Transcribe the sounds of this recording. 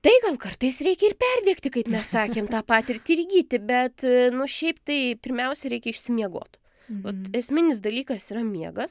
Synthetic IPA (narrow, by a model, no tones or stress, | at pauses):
t̪ɐɪɡɐlˠkɐrt̪ɐɪsɾʲɛɪkʲɛɪrpʲɛrʲd̪ʲiːkt̪ʲɪkɐɪpmʲɛssɑːkʲeːmt̪ɑːpɑːt̪ʲɪrʲt̪ʲɪɾʲɡʲiːt̪ʲɪbʲɛt̪nʊʃʲɛɪpt̪ɐɪpʲɪɾʲmʲɛʊsʲɛɾʲɛɪkʲɛɪʃʲsʲɪmʲiɛɡo̰ːt̪ | ʋɐt̪ɛsʲmʲɪnʲɪs̬d̪ɐlʲiːkɐsiːɾɐmʲiɛɡɐs